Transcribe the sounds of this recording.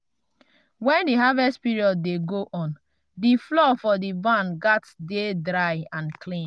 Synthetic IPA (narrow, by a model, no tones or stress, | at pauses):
wɛ̃ndiɦavɛstpiɹiɔd̚ːeɡoʔɔ̃n | diflɔfɔdibãnɡatdedɹaɪãnkʰlĩn